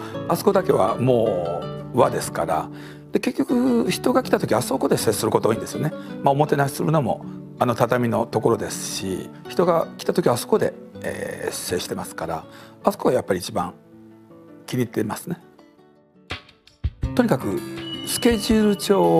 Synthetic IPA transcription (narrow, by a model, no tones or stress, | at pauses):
aso̥ko̞d̪ake̞βa̰mo̞ː | βad̪e̞sɨ̥ka̰ɾa̰ | d̪̥e̞ke̞kʲːo̞kɯ̟çi̥t̪o̞ɡakʲi̥t̪at̪okʲiaso̞ko̞d̪e̞se̞ːsɨɾɯ̟kooĩnd̪esɨjo̞nemao̞mo̞t̪e̞nai̥sɨɾɯ̟no̞mo̞̰ | ano̞t̪at̪amʲino̞t̪o̞ko̞ɾo̞d̪e̞sɨ̥ɕḭçi̥t̪o̞ɡakʲi̥t̪at̪o̞kʲiβaso̥ko̞d̪e̞̰ḛ̥se̞ːɕi̥t̪e̞masɨ̥kaɾa̰asokoajapːaɾʲiːt͡ɕibã̰ŋ | kʲiɲ̟it̪ːe̞masɨne̞ | t̪o̞ɲ̟ikakɯ̟sɨ̥kʲe̞ʑɨɾɯt͡ɕo̞ː